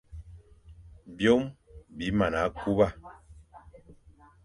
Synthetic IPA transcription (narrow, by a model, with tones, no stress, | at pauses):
bjo˦mbi˨˦ma˨na˨˦ku˦ba˦˨